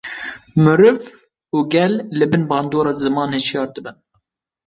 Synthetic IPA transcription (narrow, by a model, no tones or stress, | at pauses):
mɨɾɨv | uːɡʲɛlːɨbɨnbɑːnd̪oːɾɑːzɨmɑːnhɨʃijɑːɾd̪ɨbɨn